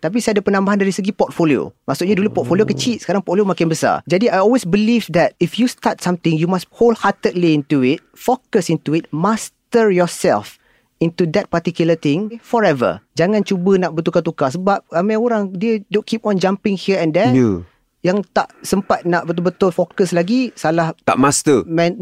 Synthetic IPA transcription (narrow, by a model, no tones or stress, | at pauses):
t̪ap̬isaadapənãmbaɦandaɾisəɡipɔt̚folio̰maʔsuʔ̚ɲadulupɔt̚foliokət͡ʃit̚sə̥kaɾaŋpɔtfliomakɪnbəsa̰d͡ʒadiajɔlwesbilivd̪ɛt̚ifjust̪at̚sãmt̪ɪ̃ŋjumasholhatədliĩntuɪt̚fokəsĩntuɪt̚mast̪əɹjɔsɛ̰lf | ĩntud̪ɛt̚pat̪ikjulət̪ɪ̃ŋfɔɹɛvə̰d͡ʒaŋãnt͡ʃubənaʔbət̪ukat̪̬ukasəbap̚amaoɾaŋdiədõnkʰip̚ɔ̃nd͡ʒãmpɪ̃ŋhiɛ̃ndɛj | jaŋt̪aʔsəmpat̚naʔbət̪̬ʊlbət̪ʊlfokəslaɡisalaht̪a̰ʔmast̪əmɛ̃n